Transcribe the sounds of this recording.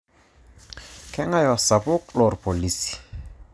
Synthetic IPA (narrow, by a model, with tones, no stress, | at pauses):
kʰɛ˦ŋa˦jɔ˨sa˨pʊ˦klɔ˨rpo˨li˦si̥˨